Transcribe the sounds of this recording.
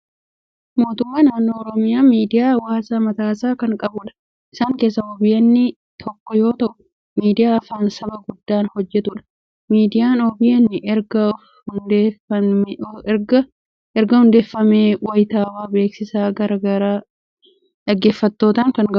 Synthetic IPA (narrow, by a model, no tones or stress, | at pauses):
mo̞ːt̪ʊmːaːnaːnːoːɔɾɔmɪjaːmiːd̪ɪjaːwaːsaːmɐt̪aːsaːkɐŋkʼɐbʊᶑɐ̥ | ʔɪsaːŋke̞ːs̬ːɐobɪjɐnːɪ | t̪ʰɔkːɔjo̞ːt̪ɐʔʊ | miːd̪ɪjaːfaːnsɐbɐɡʊd̪ːaːnhɔd͡ʒːɛt̪ʊᶑɐ̥ | miːd̪ɪjaːnɔbɪjɐnːɪʔɛɾɡɐ | hʊnd̪eːɐ | ɾɡɐ | ɛɾɡɐhʊnd̪e̞ːfːɐmeːwɐjt̪aːwaːbe̞ːksɪsaːɡɐɾɐɡɐɾaː | ᶑɐɡe̞ːfːɐt̪ːo̞ːt̪aːŋkɐŋɡɐ